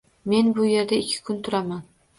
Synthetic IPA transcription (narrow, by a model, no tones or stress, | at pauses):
me̞nbʊje̞ɾd̪aɪkʲʰːɪ̥kʰʊnt̪ʰʊɾaman